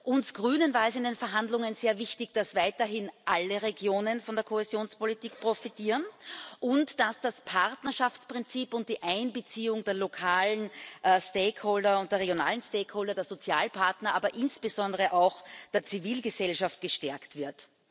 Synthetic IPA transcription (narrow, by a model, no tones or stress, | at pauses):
ʔʊnsɡ̥ʁyːnənvaːɐɛsɪndenfɛɐɦandlʊŋənzeːɐvɪçtɪçd̥asvaɪtɐɦɪnʔaləʁeɡjoːnənfɔndeːɐkʰohezjoːnspolitiːkpʁ̥ofitʰiːʁənʔʊntd̥asd̥aspʰaʁtnɐʃaft͡spʁ̥ɪnt͡siːpʊnt̚d̥iːʔaɪnbət͡siːʊŋdeːɐlokʰaːlənʔsteːkʰhoːldɐʊnt̚d̥eːɐʁeɡjona̰ːlən̩steːkhoːldɐdeːɐz̥ot͡sja̰ːlpʰaɐtnɐʔaːbɐʔɪnsb̥əzɔ̃ndəʁəʔaʊxd̥eːɐt͡siviːlɡəzɛlʃaft̚ɡ̥əʃtɛɐktv̥ɪɐt